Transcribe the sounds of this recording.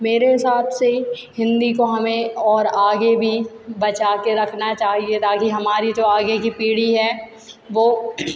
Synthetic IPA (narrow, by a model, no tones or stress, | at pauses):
meːɾeɦɪsaːb̪sehɪ̃nd̪ikoɦɐmẽɔːɾaːɡebʱi | bɐt͡ʃaːkeɾɐkʰnat͡ʃaːɦiet̪ʰakiɦɐmaːɾid͡ʒoːaːɡekipiːɽiɦɛː | ʋoː